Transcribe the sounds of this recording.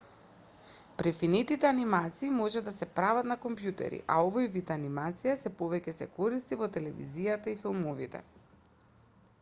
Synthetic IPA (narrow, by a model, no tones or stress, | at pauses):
pɾɛfinit̪it̪ɛanimat̪siːmɔʒɛd̪asɛpɾavat̪nakɔmpjut̪ɛ̰ɾḭʔa̰ovojvit̪animat̪sijasɛpovɛcɛsɛ̰kɔɾist̪ivɔt̪ɛlɛvḭzijat̪aifilˠmovḭt̪ɛ̰